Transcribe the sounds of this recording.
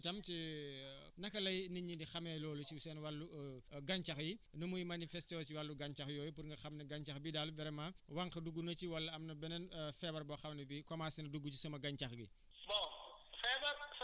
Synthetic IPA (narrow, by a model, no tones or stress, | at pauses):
tɐmt͡ʃi | nɐkːɐlɐjniɲindixɐmɛːlɔːlusisɛnwalːuɡaɲt͡ʃɐxji | nɐmujmanifɛstɔːsiwalːuɡaɲt͡ʃɐxjɔːjupuɾŋɡɐxɐmnɐɡaɲt͡ʃɐxbidaːlubɛɾɛmawaŋkɐduɡːunɐt͡ʃiwɐlːɐɐmnɐbɛnɛnfɛbɐɾbɔxɐmnɐbikɔmaːsinɐduɡːut͡ʃisɔmɐɡaɲt͡ʃɐxɡḭ | bɔfɛbɐɾ